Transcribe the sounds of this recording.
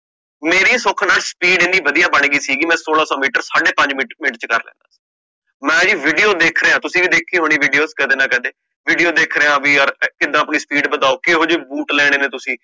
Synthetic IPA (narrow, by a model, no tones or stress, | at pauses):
meːɾiːsʊkʰnaːlspiːɖɪ̃nd̪iːʋəd̪ijaːbəɳ̃ɡiːsiːɡiːmɛ̃ːsoːlaːsɔːmiːʈəɾsaːɖeːpə̃ɲd͡ʒmimɪʈt͡ʃkə̰ɾlɛ̰̃ːnd̪aːsi̥ | mɛ̃ːd͡ʒiːʋɪɖijoːd̪eːkʰɾeːãːt̪ʊsĩːʋiːd̪eːkʰːeːɦoːɽ̃iːʋiɖijoːskɛd̪eːnãːkɛ̃ːd̪eː | ʋɪɖijoːd̪eːkʰɾeːãːʋiːɔɾkɪd̪ãːpniːspiːɖbəd̪aːoːkeɦoːd͡ʒeːbuːʈlɛːɽ̃eːnẽːt̪ʊsĩː